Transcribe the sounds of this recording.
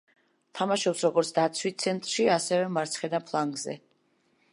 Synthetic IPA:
t̪ʰamaʃɔpsɾɔɡɔɾt̪sʰd̪at̪sʰwit̪̚t̪sʰɛnt̪ʼɾʃiasɛvɛmaɾt̪sʰχɛd̪apʰlˠaŋɡzɛ̰

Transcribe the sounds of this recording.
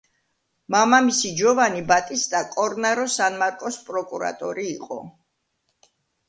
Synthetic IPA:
mamamisid͡ʒɔvanibat̪ʼist̪ʼakʼɔɾnaɾɔsanmaɾkʼɔspʼɾɔkʼuɾa̰t̪ʼɔɾiːqʼɔ̰

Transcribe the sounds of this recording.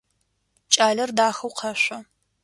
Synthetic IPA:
t͡ʃʼaːɮɐrdaːxɐwqʰɐɕʷɐ

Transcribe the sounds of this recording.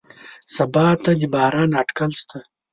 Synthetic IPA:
sɐbaːt̪ɐd̪ibaːɾaːnɐʈkɐlst̪ʰɐ

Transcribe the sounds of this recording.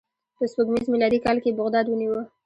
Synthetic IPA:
pəspəɡmizmilɑd̪ikɑlkebʊɣd̪ɑd̪wəniwə

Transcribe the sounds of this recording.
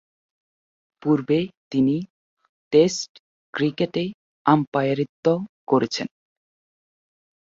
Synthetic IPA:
puɾbet̪ini | ʈesʈ | kɾikeʈe | ampajaɾit̪ːokoɾet͡ɕʰen

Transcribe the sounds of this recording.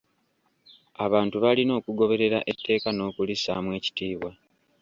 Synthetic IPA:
aβaːntuβalino̞ːkuɡo̞βe̞ɾe̞ɾa̰ʔe̞tːe̞ːkano̞ːkulisaːmwe̞ːci̥tiːβwa

